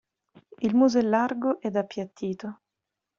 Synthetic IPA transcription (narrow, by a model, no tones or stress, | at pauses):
ilmuzɛlːarɡoʔɛd̪apːjat̪ʰːiːt̪o